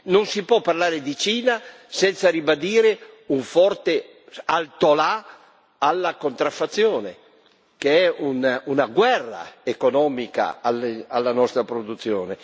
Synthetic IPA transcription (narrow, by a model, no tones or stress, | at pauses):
nonsipwɔpːarlaːɾed̪it͡ʃiːna | sɛnt̪saɾibad̪iːɾeuɱfɔrt̪e | alt̪ola | alːakont̪ɾafːat̪sːjoːne | keɛununaɡwɛrːa̰ekonɔːmika̰alalːanɔst̪ɾapɾod̪ut̪sːjoːne